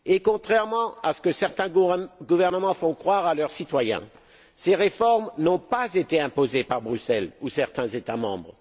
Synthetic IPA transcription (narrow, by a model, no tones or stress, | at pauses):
ekɔ̃t̪χɛʁmɑ̃asə̥kəsɛʁt̪ɛ̃ɡuvɛʁnəmɑ̃fɔ̃kχwaʁalœʁsit̪wajɛ̰̃ | seʁefɔʁmnɔ̃pazet̪eɛ̃pozepaʁbʁysɛlusɛʁt̪ɛ̃zet̪amɑ̰̃bʁ